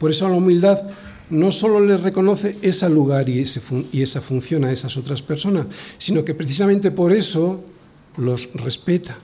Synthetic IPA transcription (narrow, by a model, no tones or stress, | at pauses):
po̞ɾe̞soalaumild̪að | no̞so̞lo̞le̞re̞ko̞no̞θe̞esaluɣ̞aɾiesefuie̞safun̟θjo̞nae̞saso̞t̪ɾaspe̞ɾso̞nasːino̞ke̞pɾeθis̬amẽnt̪e̞po̞ɾe̞so̞ | lo̞sre̞spe̞t̪ḁ